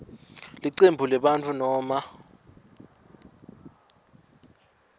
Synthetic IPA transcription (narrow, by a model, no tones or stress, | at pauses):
liǀembʱulɛɓant͡fʰunɔːma